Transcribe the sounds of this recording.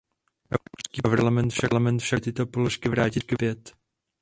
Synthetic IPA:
ʔɛskiːɾlamɛnt̪fʃalamɛnt̪fʃat̪ɪt̪o̞poloʃkɪvɾaːcɪt̪kvjɛt̪

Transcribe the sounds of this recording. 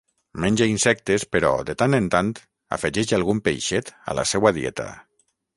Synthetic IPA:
menʲd͡ʒeinsɛk̚t̪espeɾɔ̰d̪et̪anent̪ant̪ | a̰feʒɛʃalɣumpḛjʃet̪a̰la̰sɛwaðjɛ̰t̪a̰

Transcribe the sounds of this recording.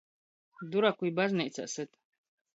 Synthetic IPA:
d̪uɾakʷujbaznɛjt͡sʰa̰ʔsɨt̪

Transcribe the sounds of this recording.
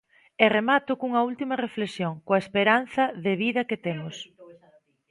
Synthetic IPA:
eremat̪ʊkuŋɐult̪imɐreflesjoŋkoɐespeɾan̟θɐðeβiðɐket̪emʊs

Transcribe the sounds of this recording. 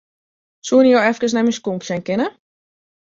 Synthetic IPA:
suənijowɛfkəs̬nɛmiskumpsɛnkɪnə

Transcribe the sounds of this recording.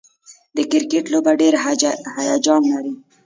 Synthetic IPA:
d̪əkɪɾkeʈlobaɖeɾhajɑd͡ʒɑmlaɾi

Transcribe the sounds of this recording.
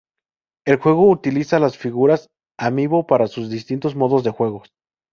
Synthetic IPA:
e̞lxwe̞ɣo̞ut̪ilisalasfiɣuɾas | amiβo̞paɾasuzðist̪int̪o̞zmo̞ðo̞zðe̞xwe̞ɣos

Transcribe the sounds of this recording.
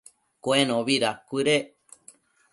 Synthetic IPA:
koẽnõβiɾakʷɨɾe

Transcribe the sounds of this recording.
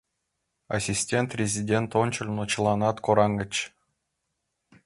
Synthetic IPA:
a̰sʲisʲtʲent̪rʲezʲidʲent̪ont͡ɕɤ̆lʲnot͡ɕlˠɑnɑt̪koɾɑŋɡʲɘ̆t͡ɕ

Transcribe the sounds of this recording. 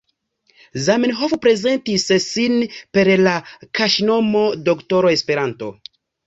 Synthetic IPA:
zamenɦofpɾe̞ze̞ntissinpe̞ɾlakʰaʃno̞mo̞dokto̞ɾoe̞spe̞ɾanto̞̰

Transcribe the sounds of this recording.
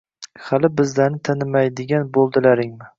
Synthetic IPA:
halɪbɪzlaɾnɪt̪ʰanɪmajd̪ɪɡʲanbolˠd̪ɪlaɾɪŋmɪ

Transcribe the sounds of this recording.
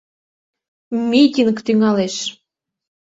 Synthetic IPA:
mʲit̪ʲinkt̪yŋɑleʃ

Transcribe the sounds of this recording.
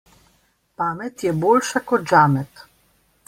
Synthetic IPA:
paːmɛt̪jɛboːlʃakɔd̪d͡ʒaːmɛt̪

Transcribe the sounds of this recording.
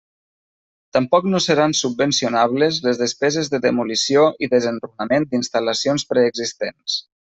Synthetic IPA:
t̪əmpɔknosəɾansub̚bənsiunaβlezləzðəspɛzezðəðəmulisijoʔiðəzənrunəmend̪inst̪ələsionspɾɛːɡzist̪ens

